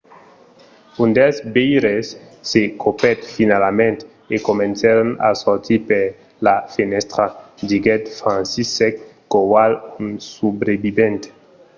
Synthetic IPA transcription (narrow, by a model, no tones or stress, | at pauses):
und̪esbejɾesː | ekʰopɛt̪finalamẽnt̪ | ekomẽnsaɾona̰soɾt̪ʰipeɾ | lafenɛst̪ɾad̪iɡɛt̪fɾãnsisɛkː | owalunsubɾebibẽnt̪